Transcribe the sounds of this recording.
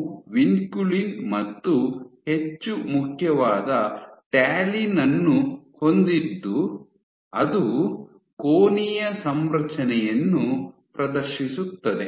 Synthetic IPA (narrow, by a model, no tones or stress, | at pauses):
ʋinkulinmɐt̪ːuhe̞t͡ʃːumukʰjɐʋaːd̪ɐʈaːlinɐnːuho̞nd̪id̪ːu | ɐd̪u | koːnijɐsɐmɾɐt͡ʃɐnɛjɐnːupɾɐd̪ɐɾʃisut̪ːɐd̪e̞